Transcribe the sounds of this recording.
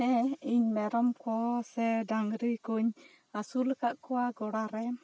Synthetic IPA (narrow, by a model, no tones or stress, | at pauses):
ɛiɲmɛɾɔmkɔsɛdaŋɾikɔɲ | asulkaʔkɔwaɡɔɽaɾɛ